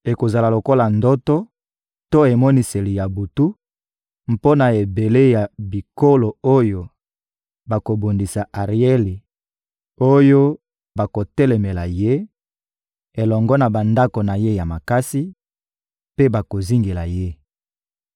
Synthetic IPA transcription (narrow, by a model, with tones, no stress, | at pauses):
e˨ko˨za˨la˨lo˨ko˦la˨ndo˦to˦ | to˦e˨mɔ˦ni˨se˨li˨ja˨bu˨tu˦ | m̩po˦na˨e˨be˨le˦ja˨bi˨ko˦lo˨o˦jo˨ | ba˨ko˨bo˨ndi˨sa˨ʔa˨ʁi˨˦e˦li˨ | o˦jo˦ | ba˨ko˨tɛ˦lɛ˨me˨la˨je˦ | e˨lɔ˨ŋɡɔ˦na˨ba˨nda˦ko˨na˨je˦ja˨ma˨ka˦si˦ | pe˦ba˨ko˨zi˦ŋɡe˨la˨je˦